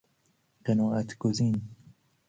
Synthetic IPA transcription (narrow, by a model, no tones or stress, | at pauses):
qenɔːæt̪ʰɡ̥oziːn